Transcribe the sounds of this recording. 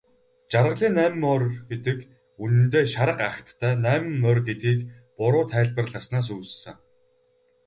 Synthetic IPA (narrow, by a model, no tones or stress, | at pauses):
t͡ɕarʁə̆ɮiːnːæːm̆mːœrɡet̪ɘ̆k | unɘ̆nt̪eːʃaɾə̆qaxt̪ʰːæːnæːm̆ːœrɡet̪̚ɡiːk | pʊɾʊːt̪ʰæːɮpə̆rɮăːsnaːs̬uːssɘ̆ŋ